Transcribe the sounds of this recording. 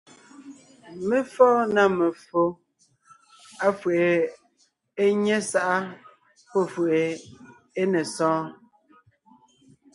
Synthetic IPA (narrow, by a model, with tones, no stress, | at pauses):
me˦fɔː˦na˦˨me˨fo˦ | a˦fwe˨e˨ | e˦ɲɛ˦sa˦ʔa˦ | pɔ˦˨fwe˨ʔe˨ | e˦nɛ˨sɔ̃ː˦